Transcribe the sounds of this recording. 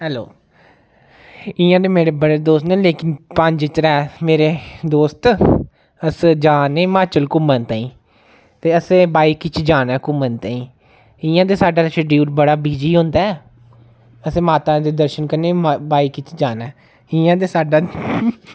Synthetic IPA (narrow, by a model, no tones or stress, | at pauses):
ɦɛːlo̰ː | ɪ̃ːãːd̪eːmeːɾeːbəɽeːd̪oːsnẽːleːkɪnpəɲd͡ʒɪt͡ʃəɾɛːmeːɾeːd̪oːst̪ | əsd͡ʒaːneːmaːt͡ʃəlkʊmənt̪aːĩː | t̪eːəseːbaːiːkɪt͡ʃʰd͡ʒaːnɛːkʊmənt̪ãːĩː | ɪːãːd̪eːsaːɖaːt͡ʃəɖjuːɾbəɽaːbiːd͡ʒiːɦʊ̃ːnd̪aːɛː | əsẽːmaːt̪ãːd̪eːd̪əɾʃənkəɾneːbaːiːkɪt͡ʃʰd͡ʒaːnɛː | ɪːãːd̪eːsaːɖaː